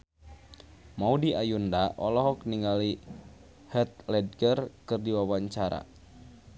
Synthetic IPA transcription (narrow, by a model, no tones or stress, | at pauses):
maudiajundaʔɔlɔɦɔk̚niŋɡali | hɛt̪̚lɛd̚ɡərkɨrdiwawaɲt͡ʃaɾa̰